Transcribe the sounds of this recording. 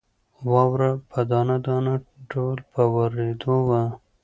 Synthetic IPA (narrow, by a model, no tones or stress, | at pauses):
wɑwɾapʰəd̪ɑnad̪ɑnaɖowlpəwaɾed̪owa